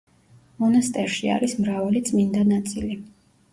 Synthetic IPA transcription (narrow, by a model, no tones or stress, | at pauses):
mɔnast̪ʼɛɾʃia̰ɾismɾavalit̪sʼmind̪anat̪sʼili